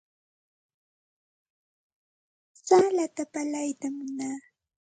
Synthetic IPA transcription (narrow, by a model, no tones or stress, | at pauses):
saːlat̪apalajt̪amːʊnaː